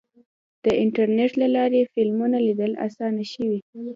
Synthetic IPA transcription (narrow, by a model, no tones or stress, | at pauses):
d̪̥əʔɪɳʈaɾneʈlalɑɾefɪlmunalid̪əla̰sɑnaʃəwi